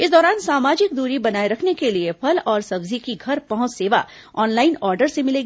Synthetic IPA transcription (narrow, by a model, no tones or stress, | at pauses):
ɪsd̪ɔːɾaːnsaːmaːd͡ʒɪk̚d̪uːɾibɐnaːiɾɐkʰnekeliepʰɐlɔːɾsɐbzikiɡʱɐɾpɐɦʊ̃t͡ʃseːʋa̰ | ɔːnlaːɪnɔːɾɖəɾsemɪleːɡiː